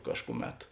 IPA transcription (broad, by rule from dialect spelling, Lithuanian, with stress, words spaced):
ˈkɑːʃkʊˌmʲɛt